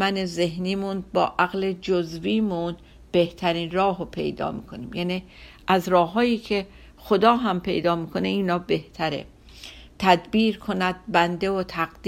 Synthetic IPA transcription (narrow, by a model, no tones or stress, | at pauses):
mæneze̞ɦniːmunbɒ̰ːʔæɣle̞d͡ʒozviːmun | b̥e̞ht̪ʰæɾiːnrɒːɦopʰe̞̰jd̪ɒ̰ːmḭːkʰoniːmjæni | ʔæzɾɒːɦɒːjiːcʰe̞ | xod̪ɒːɦæmpʰe̞̰jd̪ɒːmiːkʰo̞neiːnɒːbe̞ht̪ʰæɾḛ | t̪ʰæd̪biːɾkʰo̞næd̪̚bænd̪evot̪ʰæɡd̪